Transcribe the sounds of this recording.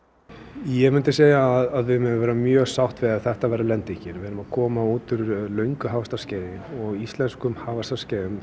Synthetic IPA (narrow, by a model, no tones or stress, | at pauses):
jɛmʏnt̪ɪseːjaːðaðvɪmɛʏvɛːɾamjœːɣsawht̪vɪðaðθɛht̪avɛjɾalɛnt̪ɪcɪɾvɛɾʏmaðkʰɔːmauːt̪ʏɾlœɥŋkʏɦaːvast̪ascɛːjðɪɔɣist̪lɛnskʏmhaːvast̪ḁscɛːðʏm